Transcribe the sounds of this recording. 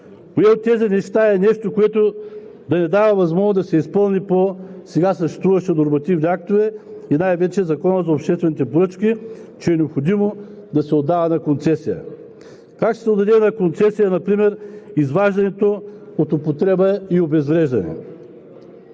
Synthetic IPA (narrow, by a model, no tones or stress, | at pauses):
poɛot̪ːɛzinɛʃt̪aɛnɛʃt̪okoɛt̪o | d̪ɐnɛd̪avɐvɐzmɔʒnozd̪ɐsɛispɤlˠniposɛɡasəʃt̪ɛ̥st̪vuvɐʃɛnoɾmɐt̪ivniak̚t̪ovɛinajvɛt͡ʃɛzɐkɔnəzɐopʃt̪ɛst̪vɛnit̪ɛpoɾɤt͡ʃkit͡ʃɛɛnɛopxod̪imo | d̪ɐsɛod̪ːavɐnɐkont̪sɛsijə̰ | kakʃt̪ɛ̥sɛod̪ɐd̪ɛnɐkont̪sɛsijɐnɐpɾimɛɾizvaʒd̪ɐnɛt̪oot̪opot̪ɾɛbɐiobɛzvɾɛʒd̪ɐnɛ̰